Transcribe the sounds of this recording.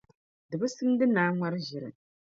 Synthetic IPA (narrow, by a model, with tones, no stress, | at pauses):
dɨ˨bɨ˦sɨ˦n˦dɨ˦naː˨˦ŋʷa˦ɾɨ˦ʒi˨ɾɨ̰˨